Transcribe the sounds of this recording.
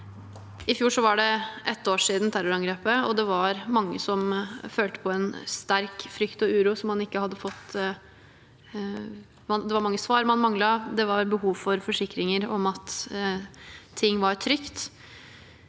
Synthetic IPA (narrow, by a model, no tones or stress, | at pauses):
ɪfjuːʂɔʋɑɖɛʔɛt̪ːoːʂiːd̪n̩t̪ʰæɾʊɾɑŋɡɾeːpəɔ̰d̪ɛʋɑɾmɑŋːə̰sɔmføːlt̪ə̥pʰɔɛnst̪æɾkfɾʏkt̪ɔʉːɾuːsɔmːɑnɪkːəhɑd̪ːəfɔt̪ː | mɑd̪ɛʋɑɾmɑŋːəsʋɑːɾmɑnmɑŋlɑd̪ɛʋɑɾbəɦuːʋfɔɾfɔʂɪkɾɪŋəɾɔmɑt̪ | ɪŋːʋɑɾʈʰɾʏkt̪